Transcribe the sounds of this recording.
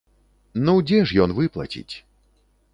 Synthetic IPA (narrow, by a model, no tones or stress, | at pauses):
nud͡zʲɛʂjɔnvɨplˠɐ̰t͡sʲḭt͡sʲ